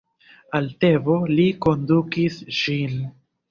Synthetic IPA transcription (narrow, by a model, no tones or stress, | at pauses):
altevo̞liko̞ndukisʃin